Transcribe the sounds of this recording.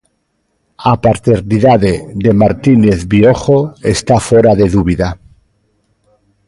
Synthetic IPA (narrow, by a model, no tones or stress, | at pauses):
apaɾt̪eɾniðaðeðe̞maɾt̪ineθβioxoe̞st̪afoɾaðe̞ðuβiða